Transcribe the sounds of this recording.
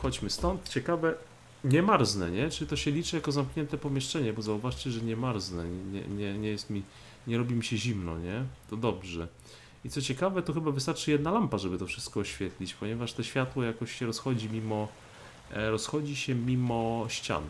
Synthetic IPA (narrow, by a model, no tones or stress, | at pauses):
xɔd͡ʑmɘst̪ɔnt̪t͡ɕɛkavɛ | ɲɛmaɾznɛɲɛt͡ʂɘlʲit̪ɔɕɛlʲit͡ʂɨjakɔzamkɲɛnt̪ɛpɔmʲjɛʂt͡ʂɛɲɛbɔzauvaʂt͡ɕɛʐɛɲɛmaɾznɛɲɛɲɛ̰ɲɛɲɛjɛst̪mʲi | ɲɛɾɔbʲimʲiɕɛʑimnɔ̰ɲɛt̪ɔd̪ɔbʐɛ | it̪sɔt͡ɕɛkavɛt̪ɔxɘbavɘst̪aɾt͡ʂɘjɛd̪nalampaʐɛbɘt̪ɔfʂɘst̪kɔːɕfʲjɛt̪lʲit͡ɕpɔɲɛvaʂt̪ɛɕfʲjat̪wɔjakɔɕɕɛɾɔsxɔd͡ʑimʲimɔ | ɾɔsxɔd͡ʑiɕɛmʲimɔɕt͡ɕa̰n